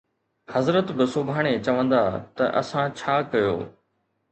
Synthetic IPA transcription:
hɐzɾət̪bɪsʊbʱaːɽ̃et͡ɕɐʋə̃nd̪aːt̪ɐʔɐ̰sãt͡ɕʰaːkɐjo̰ː

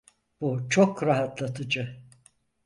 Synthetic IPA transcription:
b̥ut͡ʃʰokɾaɦat̪lˠat̪ʰɯd͡ʒɯ

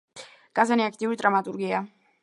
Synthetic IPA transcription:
ɡ̥ʼazaniakʰt̪ʼiuɾid̪ɾamat̪ʼuɾɡia

